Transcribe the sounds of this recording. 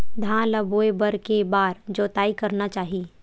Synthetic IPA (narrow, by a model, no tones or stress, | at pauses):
d̪ʱãːləboːebəɾkebaːɾd͡ʒoːt̪aːikɐɾnat͡ʃaːɦii